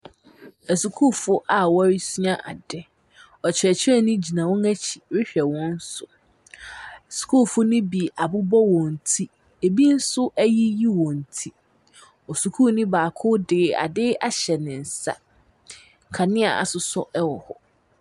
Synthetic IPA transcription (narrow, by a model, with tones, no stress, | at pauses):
æ˨su˨kʰu˦˨fʊ˦ʔa˨wa˦ɾi˦su˦ã˦ʔa̰˨dɛ˨ | ɔ˨t͡ɕʰɪ˨ɛ˨t͡ɕʰɪ˦ɛ˦˨nʊ̃˦d͡ʑi˨nã˨wɔ̃˦ŋæ˦t͡ɕʰi̥˨ɥɪ˦ɕᶣɛ˨wɔ̃˦n̩˦sʊ˨ | su̥˨kʰu˦lfʊ˦nʊ̃˦bi˨ʔa˨bʊ˦bɔ˦wɔ̃˨n̩˨tʰi˦ | e˨bi˦n̩˦sʊ˦ʔæ˦ji˦ji˦wɔ̃˨n̩˨tʰi˦ | ɔ˨su˨kʰu˦˨nĩ˦baː˨kʰʊ˦dɪ˨a̰˨dɪ˦a˨ɕɛ˨nɪ̃˨n̩˨sa̰˦˨ | kʰa˨nɪ̃˦a˨a̰˨sʊ˨sɔ̰˦ʔɛ˦wɔ˨hɔ˦